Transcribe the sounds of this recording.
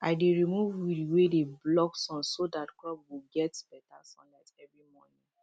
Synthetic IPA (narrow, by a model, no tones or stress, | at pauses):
aɪdeɹimuvwidiwedeblɔksɔ̃nsodatklɔbwiɡɛtb̥ɛtasɔ̰̃nlaɪsɛvɹimɔnĩ